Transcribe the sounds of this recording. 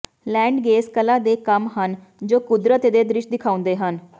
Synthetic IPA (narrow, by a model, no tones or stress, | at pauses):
lɛ̃ːɳɖɡeːskəlaːd̪eːkəmɦən | d͡ʒoːkʊd̪ɾət̪d̪eːd̪ɾɪʃd̪ɪkʰaːʊ̃nd̪eːɦən